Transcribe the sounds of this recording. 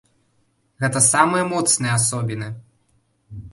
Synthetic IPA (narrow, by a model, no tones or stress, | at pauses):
ɣɛt̪ɐsamɨjɐmɔt̪snɨjɛasɔbʲinɨ